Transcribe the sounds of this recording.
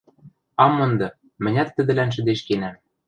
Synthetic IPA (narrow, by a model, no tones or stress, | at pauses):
ɑmɤ̆nd̪ɤ̆ | mɘ̆nʲæt̪ːɘ̆d̪ɘ̆lænʃ̬ɘ̆d̪eʃkenæm